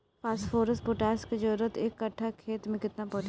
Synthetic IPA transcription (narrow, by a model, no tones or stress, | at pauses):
pʰaːsfʰoːɾəspʊʈɛːsked͡ʒɐɾət̪ʰeːkːɐʈʰːakʰeːt̪mẽkɪt̪napɔːt͡ʃ